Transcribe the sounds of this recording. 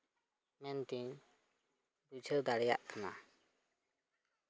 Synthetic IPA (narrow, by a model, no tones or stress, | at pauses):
mɛnt̪iɲ | but͡ʃʰəd̪aɾɛja̰ʔkʰana̰